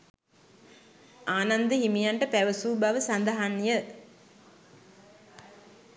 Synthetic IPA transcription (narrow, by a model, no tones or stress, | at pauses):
aːnand̪əɦimijaɳʈəpæʋəsuːbaʋəsand̪aɦanjə